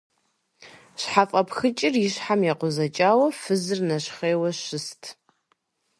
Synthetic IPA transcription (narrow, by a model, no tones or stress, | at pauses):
ɕħafʼɐpʰxɨt͡ʃʼɪrjɪɕħamjaqʷʊzɐt͡ʃʼaːwɐfɨzɨrnɐɕχeːwɐɕɨstʰ